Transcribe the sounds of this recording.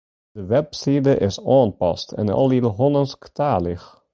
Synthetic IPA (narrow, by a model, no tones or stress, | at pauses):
d̥əʋɛpsidəʔɪsɑːnpɑ̰stɛ̰nɑ̰lˠidəɦɔnənsktaːlɪx